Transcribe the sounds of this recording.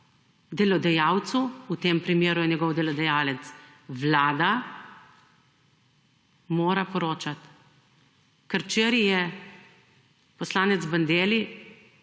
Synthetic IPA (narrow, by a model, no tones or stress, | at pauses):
d̪ɛlɔd̪ɛjaːwt̪suut̪eːmpɾimeːɾujɛnjɛɡɔwd̪ɛlɔd̪ɛjaːlɛt̪s | ʋlaːd̪a | moːɾapɔɾoːt͡ʃat̪ | kəɾt͡ʃeːɾijɛ | pɔslaːnɛt̪zband̪eːli